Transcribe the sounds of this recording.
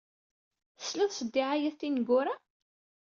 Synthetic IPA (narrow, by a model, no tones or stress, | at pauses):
θə̥slæðˤsˤəd̪ːɪʕajæθθinəɡʊɾa